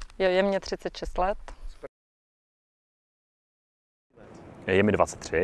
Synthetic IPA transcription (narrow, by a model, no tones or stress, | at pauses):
jojɛmɲɛt̪r̝̥ɪt͡sɛt̪ʃɛst̪lɛt̪ | jɛmɪdvat͡sɛt̪ːrɪ